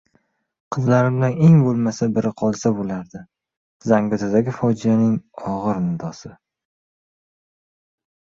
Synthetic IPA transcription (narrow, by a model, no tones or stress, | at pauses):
qʰɨzlaɾɪmd̪ane̞ŋbolˠmasabɪɾɪqʰɒlˠsabolaɾd̪ɪ | zaŋɡʊt̪ʰad̪aɡʲɪfɒd͡ʒɪjanɪŋɒʁɨɾnɪd̪ɒsɪ